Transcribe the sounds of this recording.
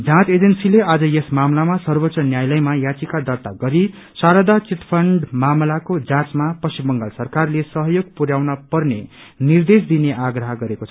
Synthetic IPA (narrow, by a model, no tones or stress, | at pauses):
d͡zãt͡sed͡zʌnsilead͡zʌjesmamlamasʌrbʌtːt͡sʌnjajlʌjmajat͡sikad̪ʌrt̪aɡʌɾi | saɾʌd̪at͡sit̪pʰʌɳɖmamlakod͡zãt͡smapʌsibʌŋɡalsʌrkarlesʌɦʌjoɡ̚puɾjawnʌpʌrne | nird̪es̬d̪ineʔaɡrʌɦʌɡʌɾekot͡sʰʌʌ